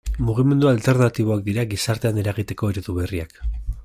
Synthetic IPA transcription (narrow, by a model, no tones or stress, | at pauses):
muɣ̞ime̞nd̪ualt̪e̞ɾnat̪iβ̞o̞ak̚d̪iɾaɣisaɾt̪e̞ane̞ɾaɣ̞it̪e̞ko̞eɾoðuβe̞riak